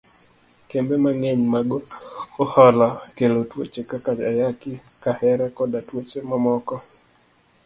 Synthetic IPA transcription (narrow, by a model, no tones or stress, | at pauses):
kembemaŋeɲmaɡoohɔlɔkelotwot͡ʃekakat͡ʃa̰jakɪkahɛɾɛkɔdatwot͡ʃemamɔkɔ